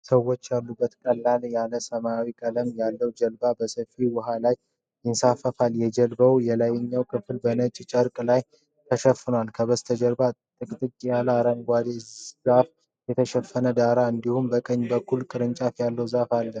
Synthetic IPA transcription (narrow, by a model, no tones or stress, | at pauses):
səwo̞t͡ʃːjalːubːət̪kʼəlːaljaləsəmaawikʼələmjalːəwd͡ʒəlbabəsəfiwɔɦalaj | jɪnsafːəfaljɛd͡ʒɛlbəwjɛlajɛɲːawkʰɨfɨlbənət͡ʃʼt͡ʃʼəɾkʼlaj | t̪ʰəʃəfːɨnwalkʰəβəst̪ʰəd͡ʒəlbat̪ʼɨkʼt̪ʼɨt͡ʃʼjaləaɾəŋɡʷad̪ezaf | jɛt̪ʰəʃɛfːənəd̪aɾaɨnd̪ihumbəkʼəɲːbəkʰːulkʼɨɾɨnt͡ʃʼafjalːəwzafalːə